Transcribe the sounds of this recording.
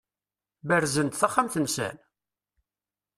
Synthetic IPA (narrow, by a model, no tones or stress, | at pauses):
bəɾzənt̪θaχːamθənsæ̰n